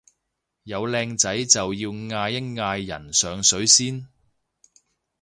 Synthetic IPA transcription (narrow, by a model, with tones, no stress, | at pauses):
jɐ˨˧wlɛː˧ŋt͡sɐ˨˥jt͡sɐ˨wjiː˧wŋaː˧jɪ˥ŋŋaː˧jːɐ̰˨˩nsœː˨˧ŋsɵ˨˥ɥsiː˥n